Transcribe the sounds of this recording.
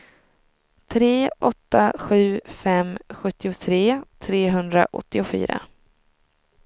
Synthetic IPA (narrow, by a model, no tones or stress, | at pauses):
t̪ʰɾeːʔɔt̪ːaɧʉ̟ːfɛmɧɵt̪ːɪʊt̪ʰɾeːt̪ʰɾeːɦɵnd̪ɾa̰ʔɔ̰t̪ːɪʊfy̰ːɾa̰